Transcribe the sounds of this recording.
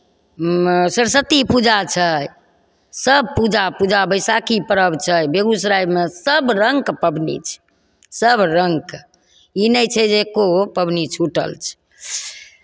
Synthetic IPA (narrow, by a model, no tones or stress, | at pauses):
səɾsət̪ipud͡ʒat͡ʃʰəj | səb̚ʱpud͡ʒapud͡ʒabəjsakipəɾəbt͡ʃʰəjbeɡusɾajbmesəbɾəŋkpəbʱnḭt͡ʃʰɛ̥ | səbɾəŋk | inɛjt͡ʃʰɛd͡ʒekopəbʱnit͡ʃʰuʈə̰lt͡ʃʰɛ̥